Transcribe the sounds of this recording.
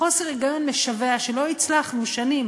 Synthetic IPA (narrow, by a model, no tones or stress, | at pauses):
o̞seʁeɡajonleʃaveaʃelo̞it͡slaχmuvʃanim